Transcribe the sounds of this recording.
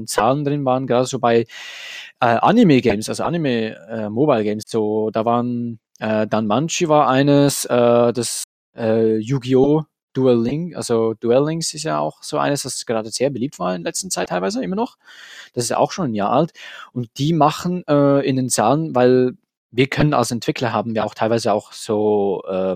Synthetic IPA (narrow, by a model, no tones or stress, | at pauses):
nt͡saːləndʁɪnvaːʁənɡəʁaːdəzoːbaɪ | ʔɛːʔa̰nimeɡɛɪmsʔa̰lzoʔa̰nimeɛːmobaɪlɡɛɪmsz̥oːd̥aːvaːʁən | ʔɛːdanmant͡ʃivaːɐʔaɪnəsʔɛːd̥as | ʔɛːjuɡio | d̥uɛlɪŋʔa̰lzod̥uɛlɪŋsɪstjaːa̰ʊxz̥oːʔa̰ɪnəsd̥asɡ̥əʁaːdəz̥eːɐbəliːp̚tv̥aːɐɪndɐlɛt͡stn̩t͡saɪtʰːaɪlvaɪzəɪmɐnɔχd̥asɪsta̰ʊxʃoːnɪmja̰ːɐʔa̰ltʔʊnt̚d̥iːmaχn̩ɛːɪndeːnt͡saːlənvaɪl | viːɐkʰœnəna̰lsɛntv̥ɪkʰlɐɦaːbm̩jiɐa̰ʊxtʰaɪlvaɪzəaʊxz̥oːʔɛː